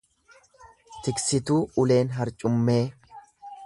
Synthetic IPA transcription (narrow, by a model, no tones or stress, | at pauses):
t̪ɪksɪt̪uːʊle̞ːnɦɐɾt͡ʃʼʊmːe̞ː